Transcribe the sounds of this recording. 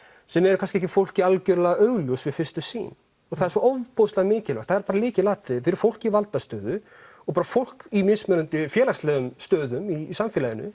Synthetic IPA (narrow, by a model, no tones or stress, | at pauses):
sɛmɛɾʏkʰans̬kcɪɛhcɪfowl̥cialcœɾlaɣaœɣljowsvɪðfɪrst̪ʏsḭːn | ɔɣθaðɛɾsɔowvpowst̪laɣmɪːcɪlva̰t̪θaðɛɾpaːɾalɪːcɪlaːt̪ɾɪfɪɾʏ̥ɾ̥fowl̥civalt̪ast̪œːðʏ | ɔpaːɾafowl̥kimɪnsmɛɾʏnt̪ɪfjɛːlast̪lɛːɣʏmst̪œːðʏmisamfɪlajɪnʏ̰